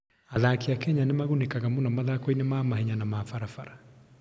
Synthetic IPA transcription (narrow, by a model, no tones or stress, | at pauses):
aðakiakɛɲanemaɣunekaɣamonamaðakɔinemamaɦɛɲanamafaɾafaɾa